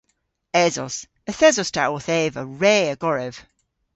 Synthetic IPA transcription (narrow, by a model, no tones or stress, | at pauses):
ɛzɔs | əθɛzɔstʰa̰ʔwɔθɛːvəɹɛːəɡɔɹɛv̥